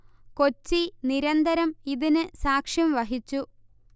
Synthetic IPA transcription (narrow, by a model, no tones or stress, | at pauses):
kot͡ɕːiniɾɐnd̪ɐɾɐmiðinɨsaːkʂjɐmʋɐɦit͡ɕːu